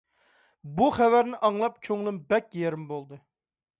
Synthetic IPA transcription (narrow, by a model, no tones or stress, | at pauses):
buχɛvæɾnɪʔɑŋlˠɑp̚kʲʰøŋlˠɪmbɛkʲjeɾɪmbolˠd̪ɨ